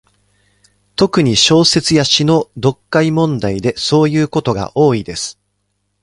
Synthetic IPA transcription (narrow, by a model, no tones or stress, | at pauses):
t̪o̞kɯ̟ɲ̟iɕo̞ːse̞t͡sɨjaɕino̞d̪o̞kːaimõ̞nd̪aid̪e̞so̞ːjɯ̟ːko̞t̪o̞ɡa̰ʔo̞ːid̪e̞sɨ̥